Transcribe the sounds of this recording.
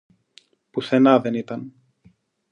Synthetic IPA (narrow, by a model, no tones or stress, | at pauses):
puθe̞nɐðe̞nit̪ɐn